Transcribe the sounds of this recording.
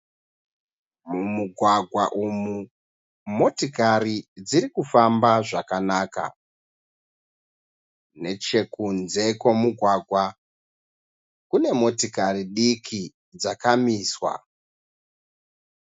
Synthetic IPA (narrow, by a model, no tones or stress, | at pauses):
mumuɡʱwaɡʱwaʔumu | mo̞tikarid͡ziɾikufambaʐakanaːka̰ | ne̞t͡ʃe̞kunze̞kwo̞muɡʱwaɡʱwa | kune̞mo̞tikariɗikʰi | d͡zakamiːswa̰